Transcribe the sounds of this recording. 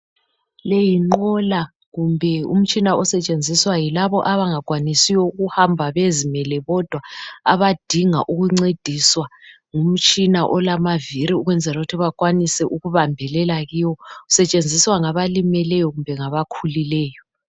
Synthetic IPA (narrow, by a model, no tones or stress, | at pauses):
lejiŋ͡ǃɔla | ɣumbʱɛṵm̩t͡ʃʼinaɔsɛt͡ʃʼend͡zʱiswajilaβɔʔaβaŋaɣwanisiwɔuɣuhambʱaβezimɛlɛβɔd̥ʱwaaβad̥ʱiŋa̰ʔuɣuŋ͡ǀed̥ʱiswa | ŋum̩t͡ʃʼinaʔɔlamaviɾiuɣwɛnd͡zʱɛlaɣutʰiβakwanisɛʔuɣuβambʱɛlɛlaɣiwɔusɛt͡ʃʼend͡zʱiswaŋaβalimɛlɛjɔɣumbʱɛŋaβakʰulilɛːjɔ